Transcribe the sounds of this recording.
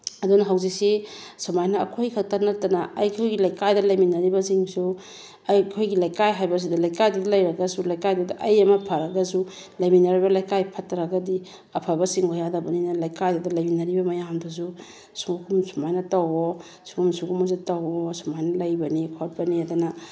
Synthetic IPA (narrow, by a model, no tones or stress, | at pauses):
ɐdunɐɦawzik̚sisumajnɐ̰ːkʰojkʰɐk̚tɐɾnɐtɐnɐɐjkʰojɡilɐjkajdɐlɐjminɐɾibɐsiŋsu | ɐjkʰojɡilɐjkajɦajbɐs̬idɐlɐjkajdidalɐjɾɐɡɐsulɐjkajdudiʔɐjɐmɐpʰaɾɐɡɐsu | lɐjminɐɾibɐlajkajpʰatːɐɾɐɡɐdi | ɐpʰabɐsiŋhojadɐbɐninɐlɐjkajdadɐlɐjminɐɾibɐmɐjamdɐs̬u | sukʰumsumajnɐtawo | suɡumsuɡumuzitɐwɔsumajnɐlɐjbɐnikʰot̚bɐniɐdunɐ